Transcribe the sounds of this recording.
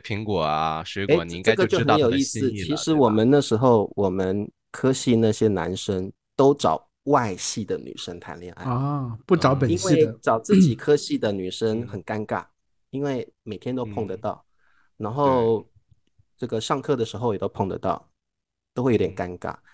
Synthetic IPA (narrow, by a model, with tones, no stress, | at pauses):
pʰi˧˥ŋkwɔ˨˩a˦ʂwe˧˥ke˥ɪ˨˩ni˨˧i˥ŋʈ͡ʂaə˥˩ɡə˧˥t͡ɕo˥˩ʊ˥xə˧njo˨˩ʊi˥˧sɹ̩˥˩t͡ɕʰi˧˥ʂɻ̩˧˥wɔ˨˩mə˦nna˥˩ʂɻ̩˧˥xo˥˩ʊwʔɔ˨˩mə˦n | kʰɤ˥ɕi˥˧na˥˩ɕjɛ˥na̰˧˥nʂə˥ŋ | t̪o˥ʊʈ͡ʂɑ̰˨˩ʊ | wa˥˧ɪɕi˥˩d̪ə˩ny̰˨˩ʂə˥ŋt̪ʰa̰˧˥nljɛ̰˥˧˩nʔa̰˥˩ɪpu˥˩ʈ͡ʂɑ˨˥ʊpə˨i˥nwe˥˧˩ɪʈ͡ʂɑ˨˩ʊt͡sɹ̩˥˩t͡ɕi˨˩kʰɤ˥ɕi˥˩d̪ə˩ny˨˩ʂə˥ŋxə˨˩nka˥nka̰˥˩ | i˥nwe˥˩ɪme˨˩ɪt̪ʰjɛ˥nt̪o˥ʊpʰo˥˩ŋd̪ə˩t̪ɑ˥˩ʊ | na˧˥nxo˥˧ʊ | ʈ͡ʂɤ˥˩ɡə˩ʂɑ˥˧ŋkʰɤ˥˩d̪ə˩ʂɻ̩˧˥xo˧jɛ˨˩t̪o˥ʊpʰo˥˩ŋd̪ə̰˦t̪ɑ˥˩ʊ | t̪o˥ʊxwe˥˩jt̪jɛ˨˩ka˥nka̰˥˩